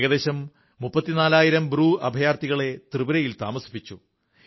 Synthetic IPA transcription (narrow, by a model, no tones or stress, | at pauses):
ɣɐd̪eːɕɐmː | upːɐt̪ːinaːlaːjiɾɐmbɾuːʔɐbʱɐjaːrt̪iɣɐɭe̞t̪rɨbɐɾɐjilt̪a̰ːmɐsi̥pːit͡ɕːu